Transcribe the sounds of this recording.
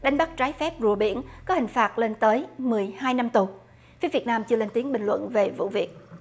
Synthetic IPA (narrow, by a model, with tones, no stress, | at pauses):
ɗa˨˦jŋ̟ɓa˦˥k̚t͡ɕaː˨˦jfɛ˦˥p̚zu˨˩əɓḭ˧˩ənkɔ˨˦hï˨˩ŋ̟faː˨˩t̚le˧nt̪əː˨˦jmɨ˨˩əjhaː˧jna˧mt̪u˨˩ | fi˨˦vi˨˩ət̚naː˧mt͡ɕɨ˧əle˧nt̪i˨˦ənɓï˨˩ŋ̟lwə̰˧˨nve˨˩vṵ˧˨vi˨˩ət̚